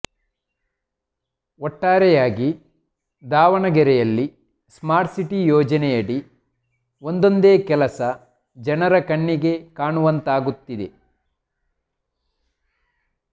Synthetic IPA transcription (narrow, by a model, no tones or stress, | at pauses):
ɔʈːaːɾɛjaːɡi | d̪aːʋɐɳɐɡɛɾɛjɐlːi | smaːɾʈsiʈijɔːd͡ʒɐnɛjɐɽi | ond̪o̞nd̪eːkɛlɐsɐ | d͡ʒɐnɐɾɐkɐɳːiɡe̞kaːɳuʋɐnt̪aːɡut̪ːid̪e